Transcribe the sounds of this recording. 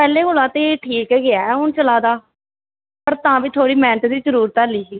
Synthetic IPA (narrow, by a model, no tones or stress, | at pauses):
pɛːleːɡʊlaːt̪eːʈʰiːkɛːɡɪaːʊnt͡ʃəlaːd̪aː | pəɾt̪ãːbiːt̪ʰoːɽiːmɛ̃ːɳʈd̪iːzəɾuːɾət̪aːliːsiː